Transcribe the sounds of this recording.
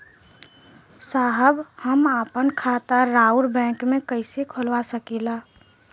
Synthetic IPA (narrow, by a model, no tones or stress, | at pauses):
saːɦəbhəmaːpənkʰaːt̪əːaːuɾbɛ̃ːŋkmẽkəɪsekʰolwasəkila